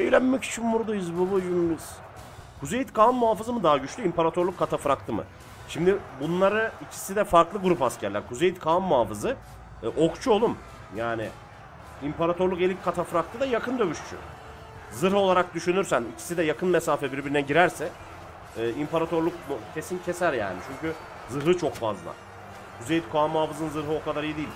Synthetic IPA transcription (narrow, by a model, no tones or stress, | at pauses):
ejlʲæmːɛci̥t͡ʃʰinbuɾd̪ajɯzbubad͡ʒimimiz̥ | kʰuzejit̪kʰaːɯmːuɦaːfɯzɯmɯd̪aɦaɟyt͡ʃlʲyimpaɾat̪ʰo̞ɾlˠukʰːat̪ʰafɯɾakt̪ʰɯmɯ̰ | ʃimd̪ibunlˠaɾɯicʰi̥sid̪ɛfaɾklˠɯɡuɾupascʰæɾlʲæ̰ɾkʰuzejit̪kʰamːuafɯzɯ | ʔo̞kt͡ʃʰuolˠum | jaːnɪ̰ | impaɾat̪ʰo̞ɾlˠukelʲickʰːat̪ʰafɾak̚t̪ʰɯd̪ajakʰɯnd̪ø̞βyʃt͡ʃʰy̰ | zɯɾho̞lˠaɾak̚d̪yʃynyɾsænicʰi̥sid̪ɛjakʰɯnmesaːfɛbiɾbiɾinænɟiɾæɾsɛː | impʰaɾat̪ʰo̞ɾlˠukmcʰe̞sincʰe̞sæɾja̰ːnit͡ʃʰyɲcy | zɯɦɯt͡ʃʰo̞kfa̰zlˠa̰ | kʰuzejit̪̚kʰaamːaːfɯzɯnzɯɾɦɯo̞kad̪aɾɯjɯd̪ijilʲ